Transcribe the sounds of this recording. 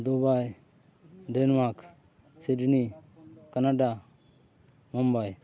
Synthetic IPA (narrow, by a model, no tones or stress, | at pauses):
d̪ubaj | ɖɛnmak | sidnikanaɖa | mɔmbaj